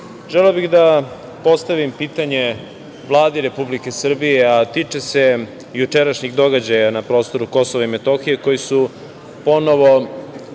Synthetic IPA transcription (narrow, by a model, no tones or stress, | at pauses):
ʒeleobixd̪a | po̞st̪aʋimpiːt̪aɲe̞ | ʋlˠaːd̪iɾe̞publike̞sr̩bijeat̪it͡ʂese̞ | jut͡ʂe̞ɾaʃɲiɣd̪o̞ɡad͡ʑajanapɾo̞ːst̪o̞ɾuko̞soʋaime̞t̪o̞xije̞ko̞jisu | po̞no̞ʋo̞